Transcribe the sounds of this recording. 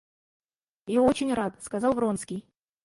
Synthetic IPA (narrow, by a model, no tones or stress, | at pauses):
jaot͡ɕɪnʲrat̪skɐzɑlˠvɾonskʲɪj